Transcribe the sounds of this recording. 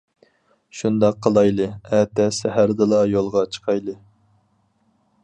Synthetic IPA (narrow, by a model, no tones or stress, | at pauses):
ʃund̪ɑqʰːəlˠɑjlˠɨɛt̪ɛsɛɦæɾd̪ɨlˠɑjolˠʁɑt͡ʃʰə̥qʰɑjlˠɨ